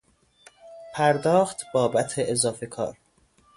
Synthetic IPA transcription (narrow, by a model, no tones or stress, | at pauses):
pʰæɾd̪ɒːxt̪ʰb̥ɒːbæt̪ʰeʔezɒːfe̞kʰɒ̰ːɾ